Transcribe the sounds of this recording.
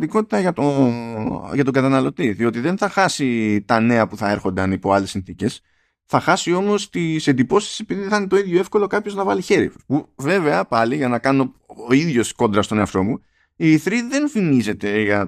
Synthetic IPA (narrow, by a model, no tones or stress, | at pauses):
t̪iko̞t̪it̪ɐʝɐt̪o | ʝɐt̪o̞ɡɐt̪ɐnɐlo̞t̪iðio̞t̪iðe̞nθɐxɐsit̪ɐne̞ɐpuθɐe̞ɾxo̞nd̪ɐnipo̞ɐle̞sːinθice̞s | θɐxɐsio̞mo̞st̪ise̞nd̪ipo̞si̥se̞piðiθɐnet̪o̞iðʝo̞e̞fko̞lo̞kɐpço̞znɐvɐliçe̞ɾḭpuve̞ve̞ɐpɐliʝɐnɐkɐno̞oiðʝo̞sko̞nd̪ɾɐst̪o̞neɐft̪o̞mu | iθɾiðe̞nfimize̞t̪e̞ʝɐ